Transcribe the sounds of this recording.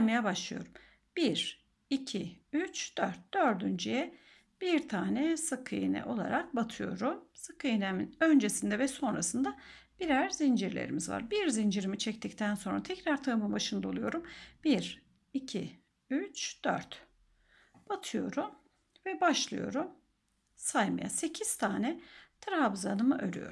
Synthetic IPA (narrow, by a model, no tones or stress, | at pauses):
majabaʃlˠɯjo̞ɾum | b̥iɾ | icʰiyt͡ʃd̪̥øɾt̪̚d̪̥øɾd̪ynd͡ʒijɛ | b̥iɾt̪ʰaːnɛsɯkʰɯjɯ̰nɯ̰ʔo̞lˠa̰ɾak̚bat̪ʰɯjo̞̰ɾumsɯkɯjɯnmønd͡ʒesind̪ɛvɛso̞nɾasɯnd̪a | b̥iɾæɾzind͡ʒiɾlʲḛɾḭmizva̰ɾbiɾzind͡ʒiɾimit͡ʃʰɛct̪ʰict̪ʰænso̞nɾat̪ʰɛcɾaɾt̪ʰaɯmɯnbaʃɯnd̪ao̞lˠujo̞ɾumb̥iɾ | icʰi | yt͡ʃd̪̥ø̰ɾt̪ | b̥at̪ʰɯjo̞̰ɾum | vɛbaʃlˠɯ̰jo̞̰ɾum | sajma̰ja̰se̞cʰiz̥t̪ʰaːnɛt̪ʰɾabzanɯmɯʔø̞̰ɾy̰jo̞̰ɾu